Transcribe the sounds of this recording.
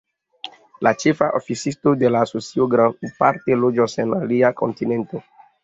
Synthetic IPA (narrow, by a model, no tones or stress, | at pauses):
lat͡ʃefaʔofisistodelaːsosioɡɾandpaɾtelod͡ʒosenaliakʰo̞̰ntinento